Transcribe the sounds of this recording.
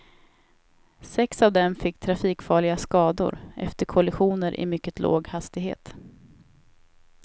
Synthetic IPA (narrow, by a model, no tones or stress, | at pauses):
sɛksavd̪ɛmfɪkːt̪ʰɾafiːkfɑːɭɪɡaskɑːd̪ʊ̰ɾʔɛ̰ft̪əɾkʰɔlɪɧuːnəɾʔɪ̰mʏkːət̪ʰlo̰ːɡhast̪ɪɡɦḛːt̪